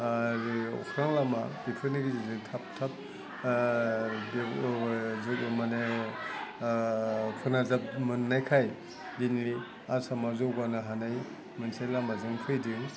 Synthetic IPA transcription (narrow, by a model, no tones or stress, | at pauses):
ɾiɔ̰kʰɾaŋlamab̥ipʰɯniɡiziitʰap̚tʰap̚ | bi | zmane | pʰɯnazap̚mɯnːajkʰaj | dinli | asamazɔwɡanaɦanaj | mansajlamazɯŋtʰɯjdiŋ